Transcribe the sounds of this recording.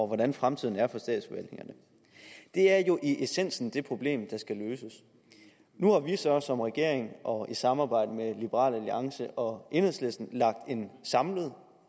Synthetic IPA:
ɒʋɒdɾænfʁamt͡sʰiðˠn̩æɐfɒ̽sd̥ɛ̰ːd̥sb̥eʋæl̰e̝ŋɐnə | d̥e̝æɐjo̝ʔiʔe̝sen̰sn̩d̥e̝pʰʁo̝b̥le̝̰ːmd̥ɑ̈sɡ̥æløːsəs | nuhɑ̈ʋisɒ̽sɒ̽mʁɛɡ̥e̝ɐ̰eŋʔɒ̽isɑ̈mɑ̈ːb̥ɑ̈ɪ̰d̥əmelib̥əʁɑ̰̈ːlæliɑ̈ŋsəʔɒ̽ʔe̝nheðˠslesd̥n̩lɑ̈ɡ̥̚d̥e̝nsɑ̈mləð̞̩ˠ

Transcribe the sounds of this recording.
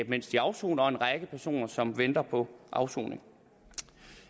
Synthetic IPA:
b̥men̰sd̥iɑ̈ʊso̝̰ːnɐɒ̽e̝nʁɑɡ̥əpʰæɐso̝̰ːnɐsɒ̽mʋend̥ɐpʰɒ̽ʔɑ̈ʊso̰ːne̝ŋ

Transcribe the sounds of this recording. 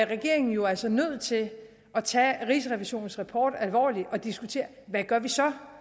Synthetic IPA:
æɐʁɛɡ̥e̝ɐe̝ŋn̩jo̝ælsɒnøð̰ˠt͡sʰe̝l | ʔɒ̽t͡sʰɛ̰ːʁis̬əʁɛʋiɕo̝̰ːn̩sʁɑpʰɒ̰ːd̥ælʋɒ̰ːliɒ̽d̥isɡ̥ut͡sʰe̝̰ːɐ | ʋæɡ̥ɶɐʋisɒ̽

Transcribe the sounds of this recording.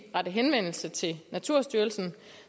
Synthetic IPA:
ʁad̥əɦenʋen̰l̩sət͡sʰe̝lnæt͡sʰuɐ̰sd̥yːɐlsn̩

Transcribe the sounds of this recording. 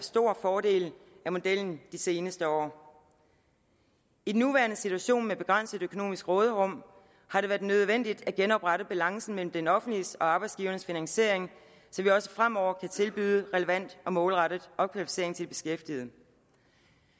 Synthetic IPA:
sd̥o̝ɐ̰fɒːd̥e̝̰ːlæmo̝d̥el̰n̩d̥ise̝ːnəsd̥əɒ̰ː | id̥enːuʋæɐnəsit͡sʰuæɕo̝̰ːnmeb̥e̝ɡ̥ʁan̰səð̩ˠøkʰo̝no̝̰ːmisɡ̥ʁɔ̽ːð̞ˠəʁɔ̽m̰ | hɑ̈ɾe̝ʋæɐd̥nøðˠʋen̰d̥id̥æɡ̥enɒ̽b̥ʁaɾəb̥ælɑ̈ŋsn̩mel̰m̩d̥enɒ̽fn̩d̥lisɒ̽ɑ̈ːb̥ɑ̈ɪdsɡ̥iːʊɐnəsfinæŋse̝ɐ̰eŋ | sɒ̽mʋiɒ̽sə̥fʁam̰ɒʊ̰ɐkʰæt͡sʰe̝lb̥y̰ːðˠəʁɛləʋæn̰d̥ɒ̽mɔ̽ːlʁɑɾ̥ð̩ˠʔɒ̽kʰʋælifi̥se̝ɐ̰eŋt͡sʰe̝lb̥e̝̥sɡ̥efd̥ið̩ˠ

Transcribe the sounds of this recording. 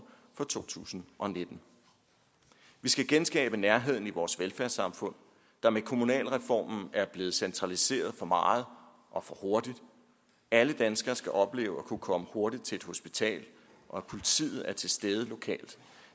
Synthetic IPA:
fɒ̽t͡sʰo̝̰ːt͡sʰṵːsn̩ʔɒ̽ne̝d̥n̩ | ʋisɡ̥æɡ̥ensɡ̥ɛ̰ːb̥ənæɐɦe̝ð̞̰ˠn̩iʋɒːsʋelfæɐsɑ̈mfɔ̽n̰ | d̥ɑ̈mekʰo̝munɛ̰ːlʁɛfɒ̰ːmn̩æɐb̥le̝ːð̞̩ˠsent͡sʰʁɑ̈lise̝̰ːɐð̩ˠfɒ̽mɑ̈ːð̞̩ˠ | ʔɒ̽fɒ̽ho̝ɐd̥id̥ | æləd̥ænsɡ̥ɐsɡ̥æʔɒ̽b̥le̝̰ːʊɒ̽kʰukʰɒ̽məho̝ɐdid̥̚t͡sʰe̝e̝d̥ho̝sb̥it͡sʰɛ̰ːl | ʔɒ̽pʰo̝lit͡sʰḭːð̞̩ˠæɐt͡sʰe̝sd̥eːð̞ˠəlo̝kʰɛ̰ːld̥

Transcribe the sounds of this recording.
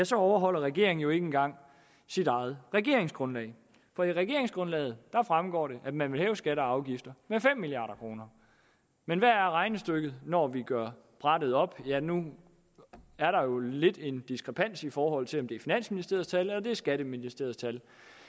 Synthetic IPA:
jæsɒ̽ɒʊɐɦɒ̽l̰ɐʁɛɡ̥e̝̰ɐ̰eŋ̩joe̝ɡ̥əenɡ̥ɑ̈ŋ̰ | sidɑ̈ɪð̞̩ˠʁɛɡ̥e̝̰ɐ̰eŋsɡ̥ʁɔ̽nlɛ̰ːɪ | fɒ̽iʁɛɡ̥e̝̰ɐeŋsɡ̥ʁɔ̽nlɛ̰ːð̞̩ˠd̥ɑ̈fʁamɡ̥ɒ̰ːɾe̝ʔæ̥mænʋe̝lɦɛːʊsɡ̥æɾəɑ̈ʊɡ̥ifd̥ɐmefem̰ːiliɑ̰̈ːɾɐkʰʁo̝ːnɐ | menʋæɐæɐʁɑ̈ɪnəsd̥øɡ̥ð̩ˠnɒʋiɡ̥ɶɐ̰ | b̥ʁɑd̥ð̞̩ˠɒ̽b̥jænu | æɐɾɑ̈jo̝le̝d̥e̝nd̥isɡ̥ʁɛpʰæn̰sifɒːɦɒ̽l̰t͡sʰe̝lɒ̽md̥e̝æɐfinæn̰sminisd̥e̝ɐðˠst͡sʰælelɐd̥e̝æɐsɡ̥æɾ̥əminisd̥e̝ɐð̩ˠt͡sʰæl

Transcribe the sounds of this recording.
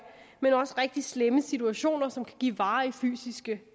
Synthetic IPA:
menɒ̽səʁeɡ̥̚d̥isleməsit͡sʰuæɕo̝̰ːnɐsɒ̽mkʰæ̥ɡ̥ḭːʋɑ̈ːify̰ːsisɡ̥ə

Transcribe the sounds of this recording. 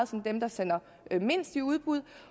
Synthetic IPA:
ð̩ˠsɒ̽nd̥emd̥ɑ̈sen̰ɐ | me̝n̰sd̥iuð̞ˠb̥ʁuð̞ˠ

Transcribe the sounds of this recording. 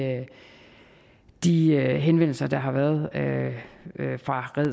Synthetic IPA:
d̥iɦenʋen̰l̩sɐd̥ɑ̈ɦɑ̈ʋæːɐð̞ˠø | fʁɑ̈ʁɛð̰ˠ

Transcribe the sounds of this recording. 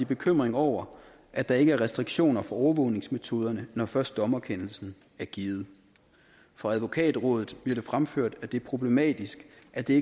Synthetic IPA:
ib̥e̝kʰøm̰ʁeŋɒʊ̰ɐ | ʔæd̥ɑ̈e̝ɡ̥əæɐʁɛsd̥ʁiɡ̥ɕo̝̰ːnɐfɒ̽ɒʊɐʋɔ̽ʊne̝ŋsmet͡sʰo̝ːð̞ˠɐnənɒfɶɐsd̥ɒ̽mæɐkʰenl̩sn̩ | æɐɡ̥iːð̩ˠ | fʁɑ̈æðˠʋo̝kʰɛ̰ːd̥̩ˠʁɔ̽ːðð̩ˠb̥liɐɾ̥e̝fʁamføɐ̰d̥æd̥e̝pʰʁo̝b̥le̝mɛ̰ːd̥isɡ̥ʔæd̥e̝e

